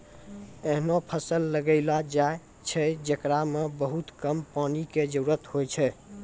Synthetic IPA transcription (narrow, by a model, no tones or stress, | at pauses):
eɦnopʰəsəlːəɡəɪlad͡ʒae | t͡ʃʰɛd͡ʒəkɾamebəɦut̪kəmpaniked͡ʒəɾuɾət̪ɦojt͡ʃʰɛ